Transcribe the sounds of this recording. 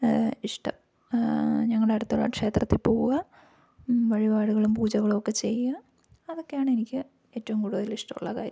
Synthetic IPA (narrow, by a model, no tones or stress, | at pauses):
iʂʈɐ̰m | ɲɐŋːɐɭɽeɐɽut̪ːuɭːɐ̰kʂe̞ːt̪rɐt̪ːipoːɣuɣɐ | ʋɐɻibaːɽuɣɐɭumpuːd͡ʑɐɣɐɭokːe̞t͡ɕe̞jːɐ | ɐðo̞kːejaːɳenikʲːɨ | e̞ːtːɐʋumkuːɽuðɐliʂʈɐmṵɭːɐkaːɾjɐm